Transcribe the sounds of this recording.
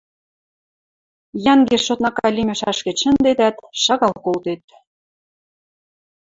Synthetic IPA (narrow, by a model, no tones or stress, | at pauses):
jɑŋɡerʃot̪nɑkɑlʲimʲeʃɑʃkeʃə̆nd̪ed̪æt̪ʃɑɣɑlkolt̪et̪̚